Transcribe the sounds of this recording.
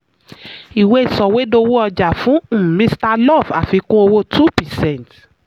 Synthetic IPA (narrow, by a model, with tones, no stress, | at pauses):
i˨we˦i˨sɔ˨we˨˦do˧wu˦ɔ˧d͡ʒa˨fũ˨˦˨mĩ˦sta˦˧lɔ˦˨va˨fi˨˧kũ˦o˧wo˦tʰu˦˨pɛ˨sɛ̃˦˨nt